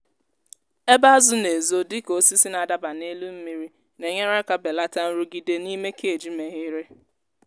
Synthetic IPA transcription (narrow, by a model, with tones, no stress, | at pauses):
e˦ba˦zʊ˦ne˨zo˦dɪ˦ko˨si˦si˦na˨da˦ba˨ne˦lu˦m̩˦mi˨ɾi˦ | ne˨ɲe˦ɾa˦ka˦be˨la˦ta˦n̩˦ɾu˦ɡi˦de˦ni˦me˦kʰe˨d͡ʒi˦me˨ɦɪ˦ɾe˦